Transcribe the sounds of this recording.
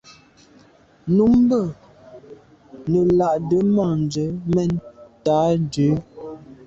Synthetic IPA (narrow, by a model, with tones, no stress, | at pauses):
nu˨˦m˦bə˦˨ | nə˨la˨ʔdə˨˦ma˦˨n˨d͡ʒə˨˦mɛ˦˨n˦taː˨˦n˨d͡ʒʉ˨˦